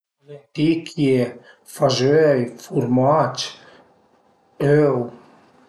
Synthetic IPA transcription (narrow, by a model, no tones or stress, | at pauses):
let̪ikʰje | faʒøjfuɾmat͡ʃ | øw